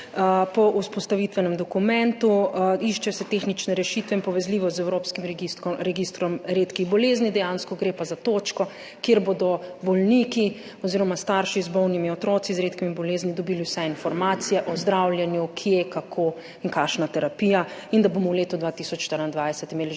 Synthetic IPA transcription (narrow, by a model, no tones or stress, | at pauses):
pɔʔuspɔst̪aʋit̪ʋɛnɛmd̪ɔkumɛ̃nt̪uiʃt͡ʃɛsɛt̪exnit͡ʃnɛɾɛʃit̪ʋɛĩnpɔʋɛzliːʋɔzɛwɾoːpskimɾɛɡist̪kɔɾɛɡist̪ɾɔmɾeːt̪kixbɔleːznid̪ɛjanskɔɡɾeːpazat̪oːt͡ʃkɔ | kjeːɾbod̪ɔbɔlniki | ɔziːɾɔmast̪aɾʃizbɔwnimiɔt̪ɾɔːt̪sizɾeːt̪kimibɔleːznid̪ɔbiːliwsɛinfɔɾmaːt̪sijɛʔɔzd̪ɾawljɛnjukʰjekakʰo | iŋkaʃnat̪ɛɾapijaind̪abomɔwleːt̪ud̪ʋat̪isɔt͡ʃʃt̪əɾind̪ʋajsɛt̪imeːli